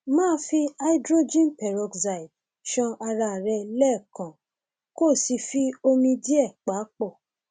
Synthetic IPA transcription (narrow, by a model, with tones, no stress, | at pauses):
mãː˦fi˧a˧i˦dɾo˦d͡ʒĩ˦n˨pɛ˨ɾɔ˧˨ɡza˨i˨ | ʃɔ̃˧ʔa˧ɾa˧˨ɾɛ˧lɛ˦˨kã˨ | ko˦˨si˧fi˦o˧mĩ˧di˦ɛ˦˨k͡pa˨˦k͡pɔ˦˨